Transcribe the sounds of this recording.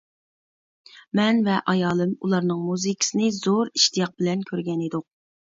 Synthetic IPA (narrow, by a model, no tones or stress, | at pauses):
mɛnvɛʔɑjɑːlˠɨmulˠɑɾnɨŋmuzɨkʲʰsɨnɨzoɾiʃt̪ijɑq̚bɪlɛnkʲʰøɾɡʲɛnid̪ʊq̚